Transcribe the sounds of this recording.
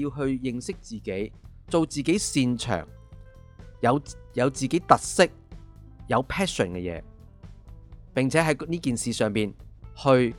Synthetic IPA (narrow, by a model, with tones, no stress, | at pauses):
jiː˧wɦɵ˧ɥjɪ˨ŋsɪ˥k̚t͡siː˨˩ke˨˥jt͡so˨wt͡siː˨ke˨˥jsiː˧nt͡ʃʰœ̰ː˨˩ŋ | jɐ˨˧wjɐ˨˧wt͡siː˨ke˨˥jt̪ɐ˨t̚sɪ˥k̚ | jɐ˨˧wpʰɛː˥sə̰˨˩nkɛ̰˧jɛ̰ː˨˧ | pɪ˨˩ŋt͡sʰɛː˨˥ɦɐ˨˥jniː˥kiː˨nsiː˨sœː˨ŋpiː˨˩nhɵ˧ɥ